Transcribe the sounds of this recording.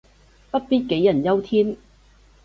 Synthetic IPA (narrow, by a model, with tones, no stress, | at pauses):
pɐ˥t̚piː˥n̚ke˨˥jːɐ˨˩njɐ˥wt̪ʰiː˥n